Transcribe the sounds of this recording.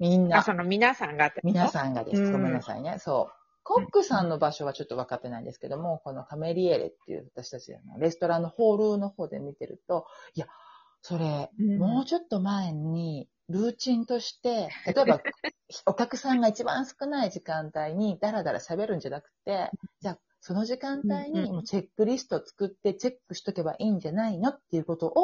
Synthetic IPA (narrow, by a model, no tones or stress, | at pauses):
mʲĩnːasonomʲinasãŋɡat̪ːmʲinasãŋɡa̰d̪ḛsominasã̰ɲineso̞̰ː | ko̞kːɯ̟sãnːo̞baɕo̞β̞at͡ɕo̞t̪ːo̞βakat̪ːe̞na̰ḭ̃nd̪e̞sɨ̥ke̞d̪omo̞ko̞no̞kame̞ɾʲieɾḛt̪ːe̞̰jɯ̰ːβat̪aɕi̥t̪at͡ɕia̰no̰ɾe̞sɨ̥t̪o̞ɾãnːo̞ho̞ːɾɯ̟ːno̞ho̞ːd̪e̞mʲit̪e̞ɾɯ̟̰t̪o̞ia | so̞ɾe̞mo̞ːt͡ɕo̞t̪ːo̞maeɲ̟i | ɾɯ̟ːt͡ɕĩnt̪o̞ɕi̥t̪e̞t̪at̪o̞e̞bao̞kʲakɯ̟sãŋɡait͡ɕibã̰ɰ̃sɨ̥kɯ̟naiʑikãnt̪aiɲ̟id̪aɾad̪aɾʔa̰ɕabe̞ɾɯ̟̃ɲ̟d͡ʑanakɯ̟̥t̪ːe̞d͡ʑaː | so̞no̞ʑikãnt̪aiɲ̟imo̞ːt͡ɕe̞kːɯɾʲisɨ̥t̪o̞ːt͡sɨ̥kɯ̟t̪ːe̞t͡ɕe̞kːɯ̟ɕi̥t̪o̞ke̞ba̰ʔiːɲ̟d͡ʑanaino̞t̪ːe̞iɯ̟ko̞t̪o̞ʔo